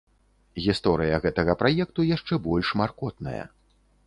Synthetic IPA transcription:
ɣʲist̪ɔɾɨjɐɣɛt̪ɐɣɐpɾajɛk̚t̪ujaʂt͡ʂɛbɔlʲʂmarkɔt̪nɐ̰jɐ̰

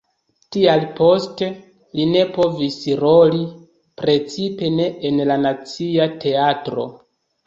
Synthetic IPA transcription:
tialpo̞ste̞ | line̞po̞visɾo̞li | pɾe̞t͡sipe̞ne̞ːnlanat͡siatʰe̞atɾo̞̰

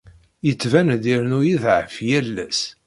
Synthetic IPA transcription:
jət͡sːvænd̪iɾnujiðʕəfjælːæs

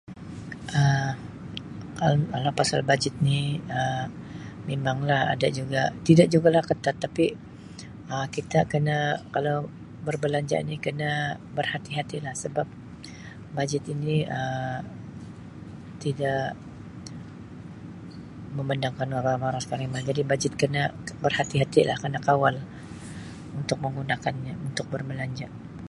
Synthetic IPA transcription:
ʔə | kakalawpasa̰lbad͡ʒɪt̪̚niə | memaŋlaha̰dad͡ʒuɡat̪idaʔd͡ʒuɡalahkət̪at̪ːapi | əkit̪akənakalaw | bərbəlaɲd͡ʒa̰nikənabərhat̪iɦat̪ilahsəbap̚ | bad͡ʒɪt̪iniə | t̪idaʔ | məməndaŋkanwabamaɾaskaɾimad͡ʒadibad͡ʒɪt̪̚kənabərhat̪iɦat̪ila̰hkənakawal | unt̪ʊk̚məŋunakanɲaunt̪ʊk̚bərbəlaɲd͡ʒa

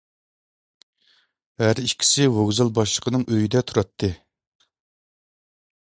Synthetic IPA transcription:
hæɾiʃkʲʰi̥sɪwoɡzɑlˠbɑʃlˠəqʰənɨŋʔøjid̪ɛt̪ʰuɾɑt̪ʰːɨ

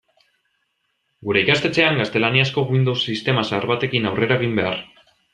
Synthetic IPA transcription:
ɡuɾe̞ikast̪e̞t͡se̞aŋɡast̪e̞laniasko̞ɣwind̪o̞wsist̪e̞masaɾβat̪e̞kinawre̞ɾaɣ̞imbe̞ar

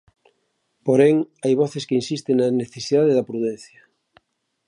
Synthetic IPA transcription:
poɾeŋajβɔθeskeinsist̪eŋnaneθesiðaðeðɐpɾuðɛnθjɐ

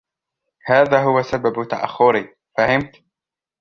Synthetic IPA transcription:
haːðaːɦʊwasababt̪aʔa̰xːʊɾi | fahɪmt̪

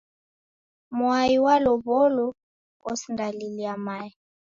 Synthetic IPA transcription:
mwaiwalɔβɔlɔ | ɔsindaliliamai

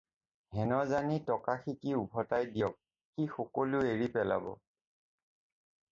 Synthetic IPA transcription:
ɦɛnɔzanitɔkaxikiubʱɔtajdijɔk̚ | xixɔkɔlueɹipɛla̰bɔ̰

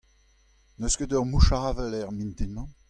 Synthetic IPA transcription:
nøskədœʁmuʃaːvɛlɛʁmĩnt̪imɑ̃

